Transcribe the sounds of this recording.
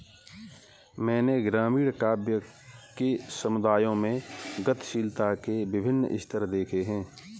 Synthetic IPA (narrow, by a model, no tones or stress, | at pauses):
mɛ̃ːneɡɾaːmiːɽkaːbjə | kesəmʊd̪aːjõmẽɡət̪ʃiːlt̪akebɪbʱɪnːɪ̰st̪əɾd̪eːkʰeɦɛ̃ː